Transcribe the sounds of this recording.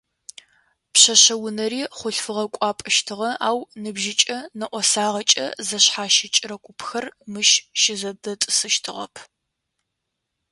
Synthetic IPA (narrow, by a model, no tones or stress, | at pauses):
pɕɐɕɐwʊnɐɾiːχʷʊɬfɨʁɐkʷʼɑːpʼɐʃtʰɨʁɐaːwnɨbʒɪt͡ʃʼɐnɐʔʷɔsaːʁɐt͡ʃʼɐ̰zɐɕħaːʃɪt͡ʃʼɪɾɐkʷʼʊpʰxɐrmɨʃʃɪzɐdɐtʼɨsɨʃtʰɨʁɐ̰pʰ